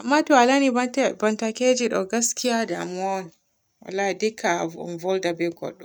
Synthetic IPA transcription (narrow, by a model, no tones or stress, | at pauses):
ʔamːatɔalanibantaked͡ʒiɗɔɡaskijadamɔn | wa̰lːaidɛkʰːa̰nvɔldabɛɡɔ̰ɗːɔ